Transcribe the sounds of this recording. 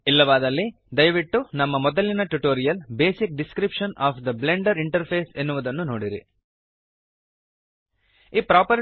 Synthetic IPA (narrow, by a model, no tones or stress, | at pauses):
ilːɐʋaːd̪ɐlːi | d̪ɐjɐʋiʈːunɐmːɐmɔd̪ɐlːinɐʈuʈoːɾijɐlbeːsik̚ɖiskɾipʂɐnaːpʰd̪ɐbleɳɖɐɾiɳʈɐɾpʰeːsenːuʋud̪ɐnːunoːɽiɾḭ | iːpɾaːpɐɾ